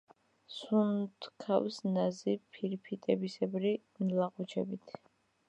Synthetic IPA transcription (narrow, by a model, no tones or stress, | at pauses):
sunt̪ʰkʰafsnazipʰiɾpʰit̪ʼɛbisɛbɾi | nlaqʼut͡ʃʰɛbit̪ʰ